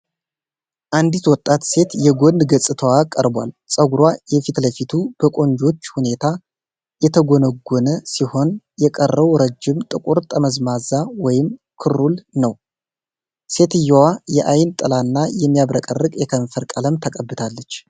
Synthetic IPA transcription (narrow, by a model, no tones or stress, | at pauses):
ʔand̪it̪wɔt̪ʼːat̪se̞t̪jɛɡo̞nd̪ɡəsʼɨt̪ʰəwakʼəɾbwa̰lsʼəɡuɾwajɛfit̪ləfit̪ʰub̥əkʼo̞ɲd͡ʒo̞t͡ʃːhune̞t̪ʰa | jɛt̪ʰəɡonəɡːonəsiho̞n | jɛkʼərːəβɾəd͡ʒːɪmt̪ʼɨkʼuɾt̪ʼəməzmazawɔjɪmkʰɨɾulnəw | se̞t̪ɨjːɛwajɛʔajnt̪ʼɨlanːajɛmːijaβɾəkʼərːɨkʼjɛkʰəɱfəɾkʼələmt̪ʰəkʼəbːɨt̪ʰalːət͡ʃː